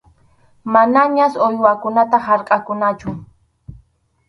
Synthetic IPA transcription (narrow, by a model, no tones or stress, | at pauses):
manaɲasojwakʊnat̪ahaɾqʼakʊnat͡ʃʊ